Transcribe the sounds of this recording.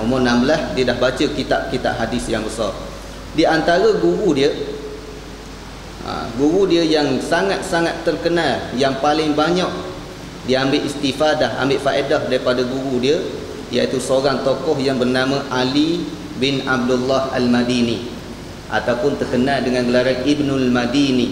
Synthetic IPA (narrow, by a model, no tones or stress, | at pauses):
umɔnãmbəlahdiədahbat͡ʃəkit̪aʔ̚kit̪a̰ʔɦadɪsjaŋbəsar | diant̪aɾəɡuɾudiə | ʔa̰ɡuɣudiəjaŋsaŋat̪̚saŋat̪ːərkənaljaŋpalɪŋbaɲaʔ̚ | diəambɪʔist̪ifadaha̰mbɪʔfaʔedahdaɾipadaɡuɾudiə | ja̰ʔit̪usəoɾaŋt̪okɔhjaŋbərnamãʔali | bɪnab̚dulːaha̰lmadini | ʔa̰t̪awpʊnt̪ərkənaldəŋãnɡəlaɾanibnulmadini